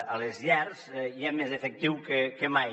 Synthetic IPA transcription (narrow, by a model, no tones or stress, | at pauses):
alezʎaɾziɛmezefek̚t̪iwkekemaj